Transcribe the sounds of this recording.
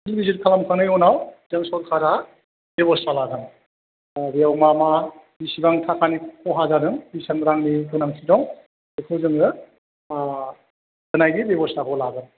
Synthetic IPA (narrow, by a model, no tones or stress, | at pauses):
tʰilbiziɾkʰalamkʰanɯjɔnawzɯŋsɔlkʰaɾa | bebɔstalaɡɯn | beawmama | bisibaŋtʰakʰanikʰɔɦazadɯŋbisanɾaŋniɡɯnaŋsʰidɔŋ | ekʰɯzɯŋɾɯ | ɡ̥ɯnajɡibebɔstakɔlaɡɯn